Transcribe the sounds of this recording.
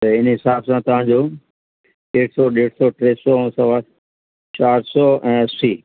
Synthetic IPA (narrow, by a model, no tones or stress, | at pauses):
t̪ɐɪnɦɪsaːbsãt̪ɐʋ̤ãːd͡ʑoː | eːʈʰsɔːɗeːɽsɔːʈɾeːsɔ̃ːsɐʋaːɾ | t͡ɕaːɾsɔːɛ̃ːsiː